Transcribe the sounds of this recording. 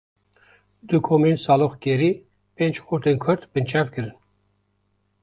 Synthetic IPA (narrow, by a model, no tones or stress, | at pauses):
d̪ukʰoːmensɑːloxkeɾi | pent͡ʃxuɾt̪enkʰʊɾt̪bɨnt͡ʃʰɑːvkʰɨɾɨn